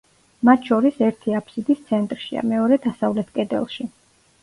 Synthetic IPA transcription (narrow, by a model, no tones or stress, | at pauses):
mat̪ʰʃɔɾisɛɾt̪ʰiapʰsid̪ist̪sʰɛnt̪ʼɾʃḭa̰mɛɔɾɛd̪asavlɛt̪ʰkʼɛd̪ɛ̰lˠʃi